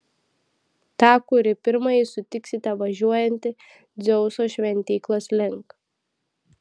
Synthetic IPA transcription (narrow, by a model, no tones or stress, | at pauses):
t̪ɑːkʊɾʲɪpʲɪɾmɐjɪsʊt̪ʲɪksʲɪt̪ʲɛʋɐʒʲuɔjɛnʲt̪ʲɪ | d̪zʲɛʊsoːʃʲʋʲɛnʲt̪ʲiːklˠoːslʲɪŋk